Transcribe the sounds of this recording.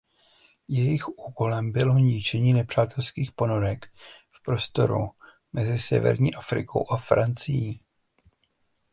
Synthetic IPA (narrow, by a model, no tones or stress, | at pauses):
jɛjɪxʔuːko̞lɛmbɪloɲɪt͡ʃɛɲiːnɛpr̝̥aːt̪ɛlskiːxpo̞no̞ɾɛkfpɾo̞st̪o̞̰ɾṵ | mɛzɪsɛ̰vɛ̰ɾɲiːʔafɾɪ̰kʰo̞̰wʔafɾant͡sɪjiː